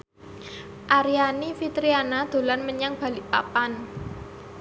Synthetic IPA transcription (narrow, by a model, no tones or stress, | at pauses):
ʔaɾianifit̪ɾianad̪̥o̤lanməɲaŋb̥ä̤lɪʔpa̰pan